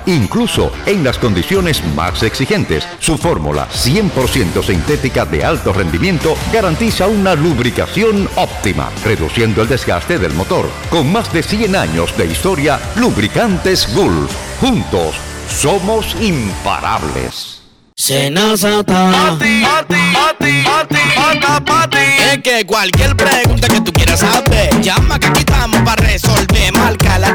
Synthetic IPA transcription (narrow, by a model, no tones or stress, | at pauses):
iŋkluso̞̰e̞ŋlasko̞nd̪isjo̞ne̞zma̰seksixe̞nt̪e̞̰sːufo̞ɾmṵla̰sje̞mpo̞ɾsje̞nt̪o̞sint̪e̞t̪ikaðe̞̰alt̪o̞re̞nd̪imje̞nt̪o̞ɡaɾant̪isaunaluβɾika̰sjo̞nop̚t̪ima̰re̞ðṵsje̞nd̪oeld̪e̞zɡa̰st̪e̞ðe̞̰lmo̞t̪o̞̰ɾ | ko̞ŋmazd̪e̞sjenaɲo̞̰zd̪e̞ist̪o̞ɾjaluβɾikant̪e̞zɡulfxunt̪o̰sːo̞mo̞simpa̰ɾʔa̰βlḛs | senast̪ | t̪t̪aat̪iekekwalkjeɾpɾeɣũnt̪aket̪ukjeɾasaβed͡ʒamakeakitamoparesolbemalkala